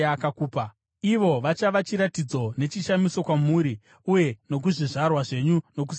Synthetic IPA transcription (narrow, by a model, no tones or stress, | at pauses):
akakuːpa | iʋo̞ʋat͡ʃaʋat͡ʃiɾatid͡zo̞ne̞t͡ʃiʃamiso̞kwamuːɾi | uje̞no̞k̬uʐiʐarwaʐe̞ɲuno̞k̬us